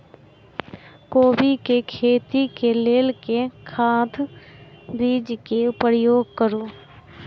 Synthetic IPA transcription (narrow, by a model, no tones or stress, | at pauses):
koːbikekʰeːt̪ikeleːlkekʰaːt̪ʰ | biːd͡ʒkeʊpɾjoːɡ̚kəɾoː